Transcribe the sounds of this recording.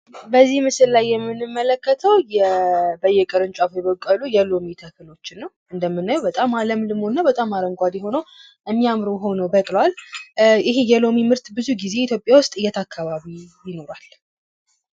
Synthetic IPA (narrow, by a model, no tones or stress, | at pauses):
bəzːihmɨsɨllajːɛmːɨnɨmːələkːət̪ʰəwjɛbəjːɛkʼəɾɨnt͡ʃʼafojɛβəkʼːəlujɛlo̞mit̪ʰəkʰɨlo̞t͡ʃːɪnːəw | ɨnd̪əmːɨnːajubət̪ʼamaləmlɨmo̞nːabət̪ʼamːaɾəŋɡʷad̪ɛho̞nəw | jɛmːiamɾəwɦo̞nəwbəkʼlwalʔɪɦejɛlo̞mimɨɾt̪bɨzuɡize̞it̪ʰjo̞pʼjawʊst̪ʼɨjːɛt̪ʰakʰːaβaβijɪno̞ɾal